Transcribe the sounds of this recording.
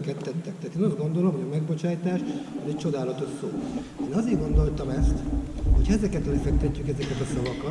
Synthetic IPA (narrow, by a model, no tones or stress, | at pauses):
kɛt̪ːɛt̪ːɛk̚t̪ɛɦat̪eːnɒzɡo̞nd̪o̞lo̞mhoɟɒmɛɡbo̞t͡ʃaːjt̪aːʃɒzɛc̚t͡ʃo̞d̪aːlɒt̪o̞ʃsoː | eːnɒzeːrɡo̞nd̪o̞lt̪ɒmɛst̪ho̞chɛzɛkɛt̪ɒlɛfɛk̚t̪ɛcːykɛzɛkɛt̪ɒsɒvɒkɒ